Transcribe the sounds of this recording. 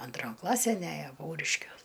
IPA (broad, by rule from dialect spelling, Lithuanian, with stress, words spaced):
ɐnˈtroːn ˈklˠɑːsʲæn ˈæjoː ˈpɐʊrʲɪʃʲkʲuɔs